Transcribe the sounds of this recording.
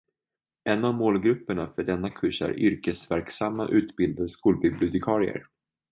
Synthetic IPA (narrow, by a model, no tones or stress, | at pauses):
ʔɛnːavmoːlɡɾɵpːəɳafœɖɛnːakʰɵʂæ̰ɾʔʏɾkəsvæɾksamːa̰ʔʉ̟ːt̪bɪld̪ad̪skuːlbɪblɪʊt̪ɪkʰɑːɾɪə̰ɾ